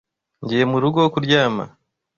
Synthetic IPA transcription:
ɲɟiːje̞muɾuɡookuɾɟaːma̰

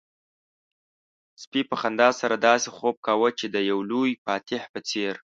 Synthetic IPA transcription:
spipəxand̪ɑsaɾad̪ɑsexob̚kawət͡ʃed̪əjawlujpɑt̪ɪhpət͡seɾ

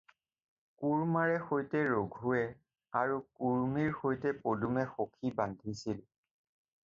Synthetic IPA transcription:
kuɹmaɹɛxojtɛɹoɡʱʊɛ | aɹukuɹmiɹxojtɛpodumɛxokʰibandʱisil

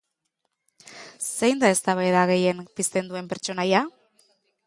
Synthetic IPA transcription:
se̞jnd̪ae̞st̪aβajðaɣ̞e̞je̞mpist̪e̞nd̪ue̞mpe̞ɾt͡ʃo̞naja

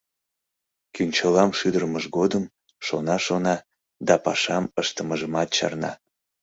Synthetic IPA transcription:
kynʲt͡ɕəlɑmʃyd̪əɾməʒɡod̪əm | ʃonɑʃonɑ | d̪ɑpɑʃɑməʃt̪əməʒəmɑt̪̚t͡ɕɑ̰rnɑ̰

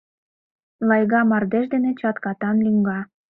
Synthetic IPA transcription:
lɑjɣɑmɑrd̪eʃd̪enet͡ɕɑt̪kɑt̪ɑnlyŋɡɑ

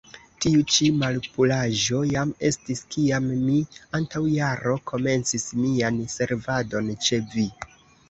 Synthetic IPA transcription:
tiut͡ʃimalpulaʒo̞jame̞stiskiamːiantawjaɾo̞kʰo̞me̞nt͡sismianse̞ɾvado̞nt͡ʃe̞vi

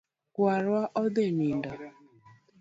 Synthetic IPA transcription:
waɾwaʔɔdeminda

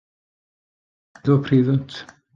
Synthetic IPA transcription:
ðʊpʰriːðʊntʰ

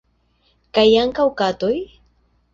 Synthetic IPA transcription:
kajaŋkawkat̪ʊj

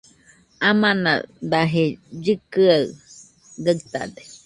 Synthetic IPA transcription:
amana̰d̪aɦed͡ʒɨkɨa | ɡat̪a̰d̪e̥

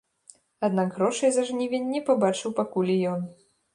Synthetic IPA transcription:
ad̪naɡɣɾɔʂɐjzɐʐnʲivʲenʲːɛpabat͡ʂɨwpakulʲijɔn

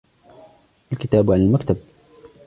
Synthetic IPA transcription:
ʔalkɪt̪aːbʕanalmakt̪ab̚

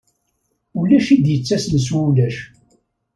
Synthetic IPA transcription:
ulæʃid̪jət͡sːæsləswæulæʃ

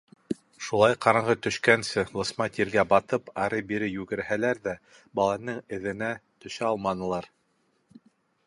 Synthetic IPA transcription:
ʃulˠɑjqʰɑɾɑɴʁɤt̪ɵ̆ʃkænsɘlˠɤ̆smɑt̪ʰiɾɡæbɑt̪ɤpɑɾɤbiɾɘjʉɡɘ̆ɾhælæɾðæ | bɑlˠɑnɤŋɘ̆ðɘ̆næt̪ɵ̆ʃæɑlˠmɑnɤ̆lˠɑɾ

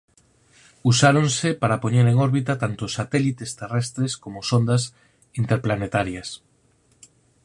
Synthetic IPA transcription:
usaɾonsepaɾapoɲeɾeŋoɾβit̪at̪ant̪osːat̪ɛlit̪est̪erɛst̪ɾeskomosond̪as | int̪eɾplanet̪aɾjas

